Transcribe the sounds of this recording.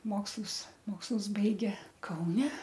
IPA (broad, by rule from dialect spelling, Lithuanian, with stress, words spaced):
ˈmoːkslˠʊs ˈmoːkslˠʊs ˈbɐɪɡʲeː kɐʊˈnʲɛ